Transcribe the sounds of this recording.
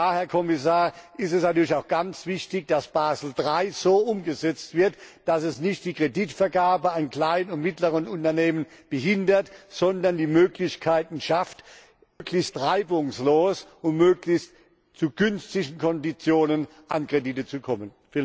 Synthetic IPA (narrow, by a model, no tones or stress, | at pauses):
aːhɛɐkʰɔmɪs̬aːɐʔɪstɛsnatʰyːɐliçaʊxɡ̥ant͡sv̥ɪçtɪçd̥asb̥aːzl̩dʁaɪz̥oːʔʊmɡəzɛt͡stv̥ɪɐtd̥asɛsnɪçt̚d̥iːkʁ̥editfɛɐɡaːbəankl̥aɪnənʊntmɪtləʁənʊntɐneːmənb̥əɦɪndɐtz̥ɔndɐndiːmøːklɪçkʰaɪtn̩ʃaftː | klɪçstʁaɪbʊŋsloːsʊmmøːklɪçst | t͡suɡʏnstɪɡn̩kʰɔndit͡sjoːnən | ʔankʁ̥editət͡sukʰɔmənf